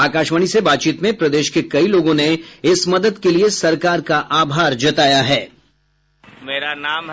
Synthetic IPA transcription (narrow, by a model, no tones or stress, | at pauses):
aːkaːʃməɽ̃isebaːt̪t͡ʃiːt̪mẽpɾɐd̪eːʃkekɐiloːɡõneɪsmɐd̪əd̪keliesɐɾkaːɾkaʔaːbʱaːɾd͡ʒɐt̪aːjaɦɛː | meːɾanaːm